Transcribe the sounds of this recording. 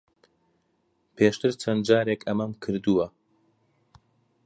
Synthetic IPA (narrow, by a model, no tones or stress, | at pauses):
pʰeːʃt̪ɨɾt͡ʃʰɐnd͡ʒaːɾeːkʰɐmɐmkʰɨɾd̪uwɐ